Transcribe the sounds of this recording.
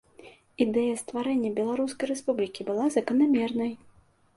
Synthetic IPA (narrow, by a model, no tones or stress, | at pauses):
id̪ɛjɐst̪vaɾɛnʲːɐbʲɛlˠaɾuskɐjɾɛspublʲikʲibɨlˠazɐkɐnamʲɛrnɐj